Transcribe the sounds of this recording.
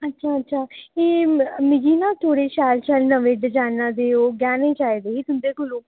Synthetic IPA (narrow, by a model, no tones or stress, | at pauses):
ətːʃʰaːətːʃʰaːeːmɪd͡ʒiːnãːt̪ʰoːɽeːʃɛːɾt͡ʃəlnəʋeːɖəd͡ʒaːnãːd̪eːoːɡɛːnẽːt͡ʃaːiːd̪eːiːt̪ʊnd̪eːkʊlõː